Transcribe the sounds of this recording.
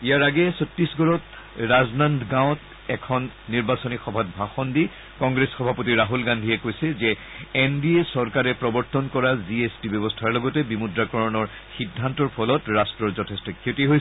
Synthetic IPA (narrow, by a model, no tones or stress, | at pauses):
ijaɹaɡɛsotːɹisɡɔɹɔt | ɹaznandʱɡãʊ̃t | ɛkʰɔnːiɹbasɔnixɔbʱat̚bʱaxɔndi | kɔ̃ŋɡɹesxɔbʱapotiɹaɦulɡandʱiɛkojsɛzɛː | ndiesɔɹkaɹɛpɹɔbɔɹtɔnkɔɹaziestibebɔstʰaɹlɔɡɔtɛbimudɹakɔɹɔnɔɹ | xidʱːantɔɹpʰɔlɔtɹastɹɔɹzɔtʰestɔkʰotiɦoj